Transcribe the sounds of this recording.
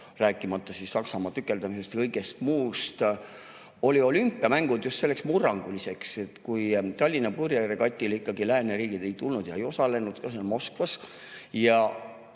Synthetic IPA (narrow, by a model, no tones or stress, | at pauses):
ræːkːˑimɑt̪ːˑɑsisːɑksɑmɑt̪ykːˑe̞ld̪̥ɑmisest̪kɤjɡe̞st̪muːst̪ | o̞lʲio̞lympːˑiɑmæŋɡ̥ud̪̥just̪selːe̞ksmurːɑŋɡ̥ulise̞kse̞t̪kujt̪ɑlʲːinɑpurjeɾekɑt̪ʲːˑilikːɑɡilæːneɾiːɡ̥id̪̥e̞jt̪ulnud̪̥jɑejo̞sɑle̞nud̪̥kɑsenmo̞skvɑs | jɑ